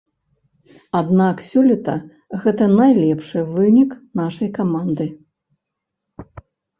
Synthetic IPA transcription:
ad̪naksʲulʲɛt̪ɐ | ɣɛt̪ɐnajlʲɛpʂɨvɨnʲiknaʂɐjkamand̪ɨ

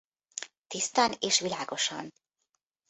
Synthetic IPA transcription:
t̪ist̪aneʃvilaːɡoʃɑ̰n

